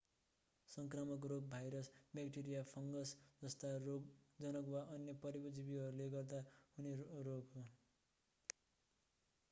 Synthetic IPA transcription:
sʌŋkramʌk̬roɡ̚bʱajɾʌsbekʈiɾijapʰʌŋɡʌsd͡zʌst̪aroɡd͡zʌnʌkwaʔʌnjʌpʌɾibʌd͡zibiɦʌɾuleɡʌrd̪ahuneroɡɦo

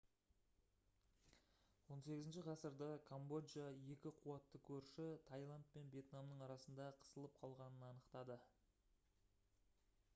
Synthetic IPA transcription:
wo̞nse̞ɡʲɪzɪnʃɪqʰɑsəɾd̪ɑkʰombo̞djaje̞kʲɪqʰuwɑt̪ːəkʲʰɵɾʃɪt̪ʰajlˠand̪̚pe̞nbje̞t̪namnəɴɑɾɑsənd̪ɑqʰə̥səlˠəp̚qʰɑlˠʁɑnənɑnəqt̪ɑd̪ə

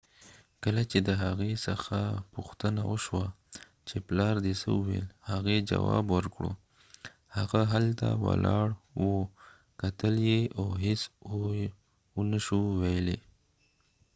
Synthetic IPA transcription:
kəlat͡ʃed̪əɦaɣesə̰xapuxt̪ənawəʃwa | t͡ʃeplɑɾd̪esə̰ʊwḛlhaɣed͡ʒawɑbwəɾkɽo̰ | haɣaɦalt̪awa̰lɑɽwo | kat̪əljeaɦɪso | unəʃuwajle

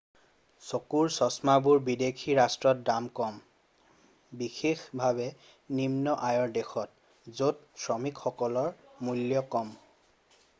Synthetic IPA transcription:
sokuɹsɔsmabuɹbidekʰiɹastɹɔt̚damkɔm | bixexbʱaβɛ | nimnɔʔajɔɹdexɔt̚ | zot̚sɹɔmikxɔkɔlɔɹmuljɔkɔm

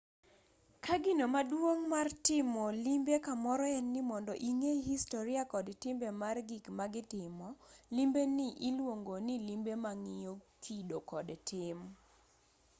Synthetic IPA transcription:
kaɡɪnomadwoŋmartɪmɔlimbekamɔɾɔɛnːɪmɔndɔʔiŋehistoɾiakɔdtɪmbemarɡikmaɡɪtɪmɔlimbenɪʔilwoŋɡonilimbemaŋɪokʰidokɔdtʰɪm

